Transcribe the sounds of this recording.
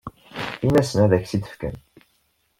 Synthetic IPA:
inæsənæðæçsid̪ə̥fkæ̰n

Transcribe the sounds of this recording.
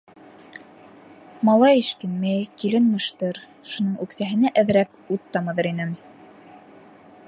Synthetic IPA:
mɑlˠɑjɘ̆ʃt̪ynmæjkilɘnmɤ̆ʃt̪ɤɾ | ʃunɤɴʉksæɦɘ̆næʔæðɾæp̚ | ut̪ːɑmɤ̆ðɤɾinɘm

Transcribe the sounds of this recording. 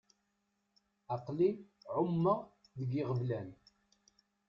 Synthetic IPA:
ɑqliʕʊmːəʁ | ðəɡɪʁəvlæn

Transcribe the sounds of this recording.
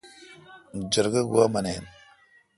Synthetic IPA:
n̩d͡ʒəɾɡəɡwamanen

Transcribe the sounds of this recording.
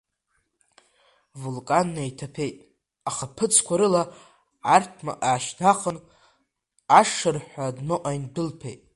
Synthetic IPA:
vulkʼanːajtʰapʰe̞jtʼ | aχapʰɨt͡sʰkʷʰaɾɨla | artʰma̰ʔaːʃdaqʰʼən | aʂɨrħʷadnoʔajndɨlpʰejtʼ

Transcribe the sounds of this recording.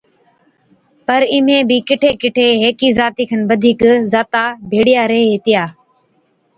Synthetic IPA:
pəɾɪm̤ẽːbiːkɪʈʰeːkɪʈʰeːɦeːkiːzaːt̪iːkʰənbəd̪ʱiːkzaːt̪aːbʱeːɽɪjaːɾəɦeːɦɪt̪ɪjaː

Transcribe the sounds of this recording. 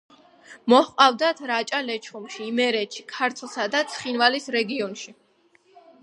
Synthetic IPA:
mɔhqʼavd̪at̪ʰɾat͡ʃʼalɛt͡ʃʰχumʃiːmɛɾɛt̪ʃikʰaɾt̪ʰlˠsad̪at̪sʰχinvalisɾɛɡiɔnʃi

